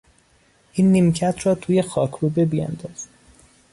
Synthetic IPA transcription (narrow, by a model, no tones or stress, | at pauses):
ʔiːnːimcʰæt̪ʰrɒːt̪ʰuːje̞xɒːkʰɾuːbebijæ̰nd̪ɒːz̥